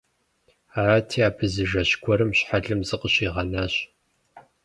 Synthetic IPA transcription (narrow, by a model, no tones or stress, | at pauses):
aaːtʰiːaːpʰɨzɨʒɐɕkʷʰɔɾɨmɕħaɮɨmzɨqəɕiːʁɐnaːɕ